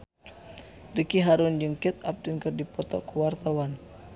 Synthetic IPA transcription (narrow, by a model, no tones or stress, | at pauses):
rikiɦaɾund͡ʒuŋkɛt̪̚ap̚t̪unkərdipɔt̪ɔkuwart̪awan